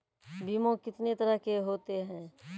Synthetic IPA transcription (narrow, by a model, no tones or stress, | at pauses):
biːmõkɪt̪net̪ɐɾəɦkeɦoːt̪eɦɛ̃ː